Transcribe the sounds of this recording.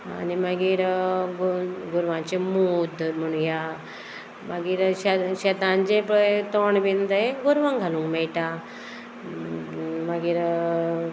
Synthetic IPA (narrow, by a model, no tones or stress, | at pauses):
a̰niməɡiːɾɡɡuɾʋãt͡ɕemud̪ʱm̤əɽ̃ũnja | maɡiːɾɕaɕet̪ãnd͡ʑẽpt̪oɳbind̪əeɡuɾʋaŋɡʱalũŋkmɛɭʈa | məɡiːɾ